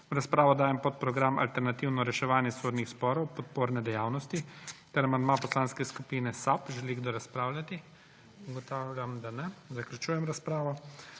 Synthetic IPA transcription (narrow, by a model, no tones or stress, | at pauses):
ɾaspɾaːʋɔd̪aːjɛmpɔt̪̚pɾɔɡɾama̰lt̪ɛɾnat̪iwnɔɾɛʃɛʋaːnjɛsod̪nixspɔːɾɔwpɔt̪̚poːɾnɛd̪ɛjaːwnɔst̪it̪ɛɾamand̪mapɔslaːnskɛskupinɛsapʒɛliɡd̪ɔɾaspɾaːwlʲat̪i | uɡɔt̪aːwlʲjamd̪anɛzaklʲut͡ʃuːjɛmɾaspɾaːʋɔ